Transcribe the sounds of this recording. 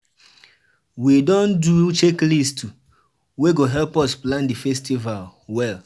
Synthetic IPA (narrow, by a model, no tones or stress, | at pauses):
widɔ̃ndut͡ʃeklistu | weɡoɦɛlpɔsplãndifɛstivalwɛl